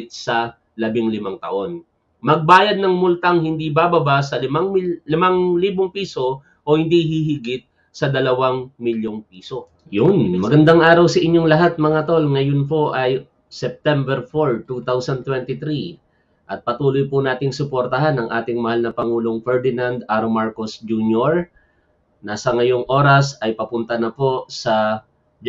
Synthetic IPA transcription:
t̪̚sɐ | lɐbɪŋlɪmaŋt̪ɐ̰ʔo̞n | mɐɡ̚baːjɐd̪̚nɐŋmʊlt̪aŋhɪnd̪ibabɐbasɐlɪmaŋmlɪmaŋliːboŋpiːso̞ | ʔohɪnd̪ihiɦɪɡɪt̪̚ | sɐd̪ɐlɐwaŋmɪljoŋpiːso̞ | jʊnmɐɡɐnd̪aŋʔaːɾɐwsɐʔɪɲjo̞ŋlɐɦat̪̚mɐŋat̪o̞lŋɐjonpo̞ʔɐj | sɛp̚t̪ɛmbɛɾfoɹt̪ut̪awsɐnd̪t̪wɛnt̪ɪt̪ɾi | ʔɐt̪̚pɐt̪uːlojpʊnaːt̪ɪŋsʊpoɾt̪ɐɦanɐŋʔaːt̪ɪŋmɐhalnɐpɐŋuːlo̞ŋfɛɹd̪ɪnand̪ʔaɾomaɹko̞sd͡ʒunjoɹ | nɐsɐŋɐjo̞ŋʔo̞ɾɐsɐjpɐpʊnt̪ɐnɐpo̞sɐ | d͡ʒ

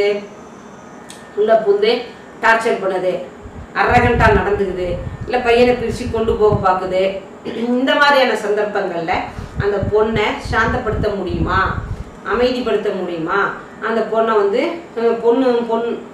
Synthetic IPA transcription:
ɯ | ʊlːɐpʊnd̪ɯ | ʈaːɾt͡ʃɐɾpɐɳːɐðɯ | ʔɐɾːɐɣɐɳʈ̪ãːnɐɽɐnd̪ɯɣɯðɯɪlːɐpɐjːɐnɐpɪɾt͡ʃːikɔɳɖɯpoːɣɐpaːkɯðɯ | ɪnd̪ɐmaːðɾijaːnɐsɐnd̪ɐɾpːɐŋɡɐɭɪlɐɐnd̪ɐpɔɳːɐʃaːnt̪ɐpːɐɽɯt̪ːɐmʊɽɪjɯmaː | ɐmɐɪðipɐɽɯt̪ːɐmʊɽɪjɯmaː | ʔɐnd̪ɐpɔɳːɐʋɐnd̪ɯɐnd̪ɐpɔnːɯpɔnː

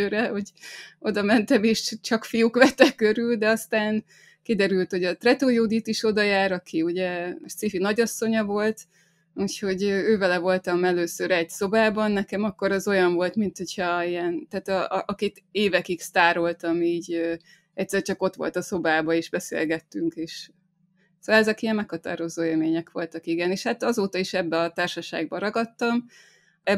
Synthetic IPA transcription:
øːɾɛho̞ɟo̞d̪ɒmɛnt̪ɛmeːʃt͡ʃɒkfijukʋɛt̪ːɛkːøɾyld̪ɛɒst̪aːn | kid̪ɛɾylt̪ho̞ɟɒt̪rɛt̪ojoːd̪it̪iʃo̞d̪ɒjaːɾɒkʰiuɟɛʃsifinɒɟɒsːo̞ɲɒvo̞lt̪ | ucho̞ɟøøːvɛlɛvo̞lt̪ɒmɛløːsøɾɛɟso̞baːbɒnːɛkɛmɒkːo̞ɾɒzo̞jɒɱvo̞lt̪mint̪ho̞chɒijɛnt̪aːt̪ɒʔɒkit̪eːvɛkikst̪aːɾo̞lt̪ɒmiːɟø | ɛc̚ʲsɛrt͡ʃɒko̞t̪ʋo̞̰lt̪ɒso̞baːbɒeːʒbɛsḛːlɡɛt̪ːyŋkeːʃ | soːlɛzɛkijɛmmɛkhɒt̪a̰ːɾo̞zoːeːlmeːɲɛkʋo̞lt̪ɒkiɡɛneːʃhat̪ɒzoːt̪ɒiʃɛbːɛɒt̪aːrʃɒʃa̰ːɡ̚bɒɾɒɡɒt̪ːɒm | ɛ

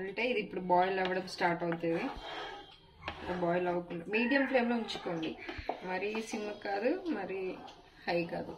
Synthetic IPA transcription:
ɐɳʈe̞ːid̪ipːuɽubaːjlɛʋːɐɽɐmsʈaːɾʈɐwt̪eːd̪i | ɐlɐːbaːjlɐʋɐkuɳɖɐmiːɽijɐmpleːmloːiɲt͡ʃu̥koːɳɖimɐɾisimːɐkaːd̪umɐɾi | hɐjkaːd̪u

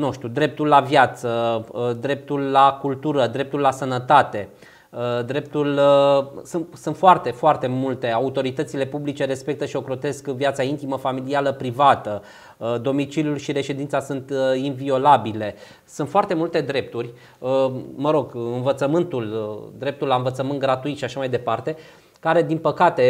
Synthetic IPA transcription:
nuʃt̪ʲud̪ɾe̞p̚t̪ulːavjat̪səd̪ɾe̞p̚t̪ulːakult̪uɾəd̪ɾe̞p̚t̪ulːasənət̪at̪e̞ | d̪ɾe̞p̚t̪ul | sunt̪sunt̪foart̪e̞foart̪e̞mult̪e̞aut̪o̞ɾit̪ət̪sile̞publit͡ʃe̞ɾe̞spe̞k̚t̪əʃio̞kɾo̞t̪e̞skvjat̪saint̪iməfamilialəpɾivat̪ə | d̪o̞mit͡ʃiljulʃiɾe̞ʃe̞d̪int̪sasunt̪invio̞labile̞ | sunt̪foart̪e̞mult̪e̞d̪ɾe̞p̚t̪urʲ | məɾo̞ɡɨnvət̪səmɨnt̪uld̪ɾe̞p̚t̪ulːaɨnvət̪səmɨnt̪̚ɡɾat̪uit̪ʃiaʃamajd̪e̞part̪e̞ | kaɾe̞d̪inpəkat̪e̞

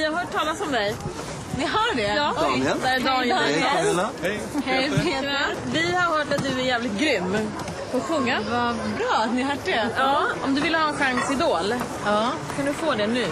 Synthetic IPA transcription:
jaɦœʈʰɑːlasɔmd̪ɛj | nɪɦaɖɛjɑːd̪d̪ɑː | vɪhaɾhœːʈat̪̚d̪ɵæɾjæːvlɪt̪̚ɡɾʏmː | pʰɔːɧɵŋːavabɾɑːnɪɦaːʈːɛɑːɔmd̪ɵvɪlːəhɑːɛnɧaŋsɪd̪oːlː | kʰand̪ɵfoːd̪ɛnʉ̟ː

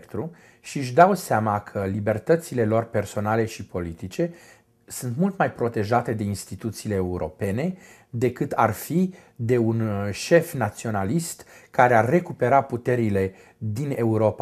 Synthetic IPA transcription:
kt̪ɾu | ʃiɨʃ̬d̪awseamakʰəlibe̞rt̪ət̪sile̞lo̞rpe̞rso̞nale̞ʃipo̞lit̪it͡ʃe̞ | sunt̪mult̪majpɾo̞t̪e̞ʒat̪e̞d̪e̞inst̪it̪ut̪siːle̞ːuɾo̞̰pe̞ne̞ | d̪e̞kɨt̪a̰rfi | d̪e̞unʃe̞fnat̪sio̞nalist̪kaɾearːe̞kupe̞ɾaput̪e̞ɾile̞ | d̪ine̞uɾo̞pa

